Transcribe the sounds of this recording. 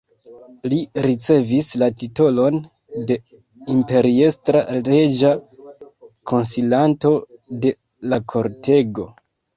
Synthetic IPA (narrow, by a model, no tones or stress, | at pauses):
liɾit͡se̞vislatito̞lo̞n | de̞ | impe̞ɾie̞stɾale̞d͡ʒa | kʰo̞nsilanto̞de̞ | lakʰo̞ɾte̞ɡo̞